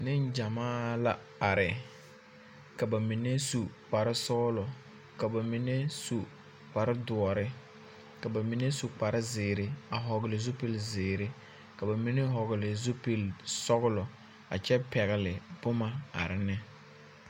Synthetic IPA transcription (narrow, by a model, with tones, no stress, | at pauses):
nɪ˦nd͡ʒa˨maː˦la˦ | a˨ɾɪ˨ | ka˨ba˨mi˨ne˦su˨k͡pa˨ɾɪ˦sɔ˦lɔ˨ | ka˨ba˨mi˨ne˦su˨ | k͡pa˨ɾɪ˦dʊ˨ɔ˨ɾɪ˦ | ka˨ba˨mi˨ne˦su˨k͡pa˨ɾɪ˦zɪː˨ɾɪ˨a˨ɦɔ˨ɣɪ˨lɪ˨zʊ˦pi˦lzɪː˨ɾɪ˦ | ka˨ba˨mi˦ne˦ɦɔ˨ɣɪ˨lɪ˨zʊ˦pi˦lsɔ˦ɣʊ˦lɔ˨ | a̰˨t͡ʃɛ˦pɛ˨ɣɪ˨lɪ˨b̥ʊ˦ma˦a̰˨ɾɪ˨nɛ˦